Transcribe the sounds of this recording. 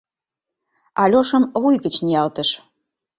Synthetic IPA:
ɑlʲoʃəmβujɣət͡ɕnijɑlt̪ə̆ʃ

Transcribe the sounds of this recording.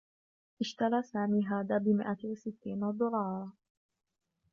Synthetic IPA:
ʔɪʃt̪alaːsaːmiːɦaːðaːbɪmɪ̰ʔawasɪt̪ːiːnad̪ʊlɑːɾˤɑ

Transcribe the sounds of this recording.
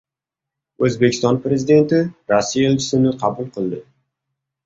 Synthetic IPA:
ɵzbekʲɪ̥st̪ɒnpɾe̞zɪd̪e̞nt̪ɪɾasːijaelʲt͡ʃɪ̥sɪnɪqʰɑbʊlˠqʰɨlˠd̪ɪ

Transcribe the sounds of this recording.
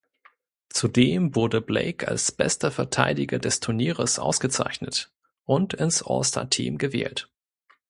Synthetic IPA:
t͡sudeːmvʊɐdəblḛɪkʰa̰lsb̥ɛ̰stɐfɛɐtʰaɪdɪɡɐdɛstʰʊɐniːʁəsʔa̰ʊsɡ̥ət͡sa̰ɪçnət | ʔʊntɪnsʔɔ̰stʰa̰tʰḭːmɡəvɛ̰ːlt

